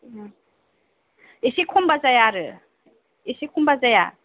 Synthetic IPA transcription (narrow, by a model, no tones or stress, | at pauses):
isikʰumbazajaɾɯ | esikʰumbazaja̰